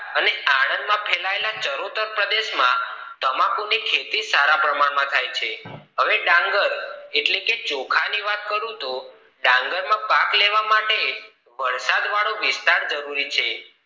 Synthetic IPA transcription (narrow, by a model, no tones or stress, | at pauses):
əneʔaɽ̃ə̃nd̪mãpʰelaelat͡ʃəɾot̪əɾpɾəd̪eʃmã̰ | t̪əmãkonikʰet̪isaɾapɾəmaɽmãt̪ʰajt͡ʃʰeɦəʋeɖãŋɡəɾeʈleket͡ʃokʰaniʋat̪̚kəɾũt̪o | ɖãŋɡəɾmãpãkleʋamaʈe | ʋəɾsad̪ʋaɭõʋɪst̪aɾd͡ʒəɾuɾit͡ʃʰe